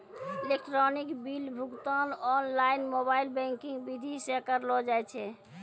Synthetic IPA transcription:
elek̚ʈɾɔnikbilbʱukt̪anɔnlainmobailbɛ̃ŋkĩŋɡbid̪ʱisekəɾlɔd͡ʒajt͡ʃʰɛ

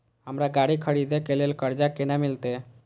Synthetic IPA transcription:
ɦəmɾaɡaɽikʰəɽid̪ekelelkəɾd͡ʒakenamilt̪e

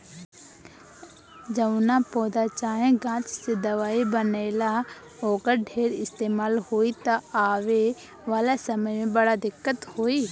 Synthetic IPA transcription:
d͡ʒəʋnapoːd̪at͡ʃaːɦẽɡãːt͡ʃsed̪ɐʋaːibəneːla | oːkəɾɖʱeːɾɪst̪eːmaːlhoːit̪aaːʋe | ʋaːlasɐməjmẽbɐɽad̪ɪkːət̪hoːiː

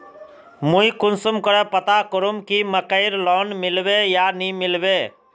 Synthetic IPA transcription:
mũikʊnsəmkəɾɛpət̪akəɾumkiməkəɪɾlɔːnmɪlʋejanimɪlbeː

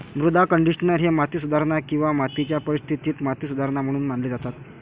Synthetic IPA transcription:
mɾud̪ʱakəɳɖiʂnəɾɦemat̪iːsud̪ʱaɾɳakĩw̃ʋamat̪it͡ɕjapəɾist̪ʰit̪iːt̪mat̪iːsud̪ʱaɾɳam̤əɽ̃uːnm̤aɳled͡zat̪at̪

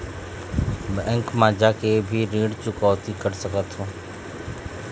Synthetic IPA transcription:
bɛ̃ːŋkmãːd͡ʒakebʱiːɾĩːɽt͡ʃʊkɔːʋt̪ikəɾsəkət̪ɦũː

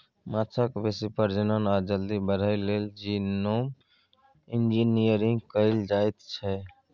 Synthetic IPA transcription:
mat̪ʰəkbesipəɾd͡ʒənənaɾd͡ʒəld̪ibəɾ̤əɪleld͡ʒinom | ind͡ʒinijəɾiŋɡkəɪld͡ʒajt̪t͡ʃʰɛ

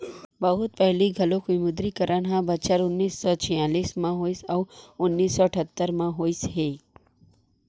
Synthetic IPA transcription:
bəɦʊt̪̚pəɦliɡʱəlokʰʋimʊd̪ɾikəɾʔanɦãbət͡ʃəɾʊnːiːsːɔt͡ʃʰĩjaːlismãɦoisawʊnːiːsːɔəʈʰət̪ːəɾmãɦoisɦe

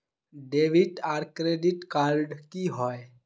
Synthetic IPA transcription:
ɖeʋiʈaːɾkɾeɖiʈkalɖkiɦɔe

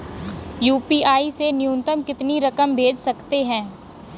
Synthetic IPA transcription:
juːpiaːisenɪjũnt̪əmkɪt̪niɾɐkəmbʱeːd͡ʒsɐkt̪eɦɛ̃ː

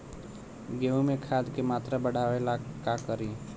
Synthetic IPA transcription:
ɡeũmekʰad̪kemat̪ɾabəɽ̤ʱaʋelakakəɾi

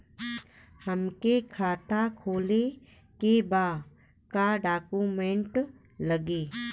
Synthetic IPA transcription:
həmkekʰaːt̪akʰoːle | kebaː | kaɖaːkuːmẽɳʈ | ləɡeː

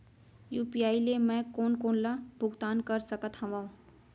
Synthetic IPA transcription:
juːpijaːilemɛ̃koːnkoːnlabʱʊɡt̪aːnkəɾsəkət̪ɦɐ̃ʋã

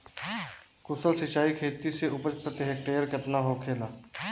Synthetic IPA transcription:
kʊsəlsɪt͡ʃaːikʰeːt̪iseʊpət͡ʃpɾət̪ɪɦek̚ʈeːəɾkɪt̪naɦokʰeːlaː

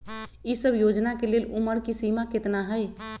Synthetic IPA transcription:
isəbʱjod͡ʒnakeleluməɾkisimaket̪naɦəj

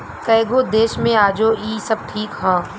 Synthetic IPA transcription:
kɐːɡod̪eːʃmẽaːd͡ʒoːiːsɐb̚ʈʰiːkɦãː

